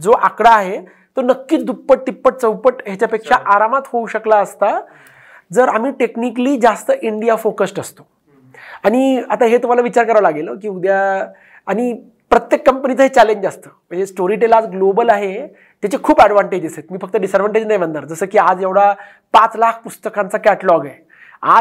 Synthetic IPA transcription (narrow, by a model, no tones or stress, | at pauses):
d͡zoʔakɽaːɦe | t̪ənəkːiːt͡sd̪upːəʈ̚t̪ipːəʈ̚t͡səwpəʈɦjat͡ɕjapekʂaʔaɾamat̪houɕəklaəst̪a | d͡zəɾamiːʈeknikəliːd͡zast̪əʔiɳɖijafokəsʈəst̪o̥ | aɽ̃iat̪aɦet̪um̤alaʋit͡ɕaɾkəɾaʋalaɡeləkiːud̪ja | aɽ̃i | pɾət̪jekːəmpənit͡səɦet͡ɕɛleɲd͡ʑast̪əməɳd͡ʑesʈoɾiʈelad͡zɡlobəlaɦe | t̪jat͡ɕekʰuːbɛɽʋãɳʈed͡ʑəset̪̚miːfək̚t̪əɖisəɾʋəɳʈed͡ʑnajmə̃nd̪aɾd͡zəsəːkiːad͡zjeʋɽ̤a | pat͡slakʰpust̪əkãnt͡sakɛʈəlɔɡe | a̰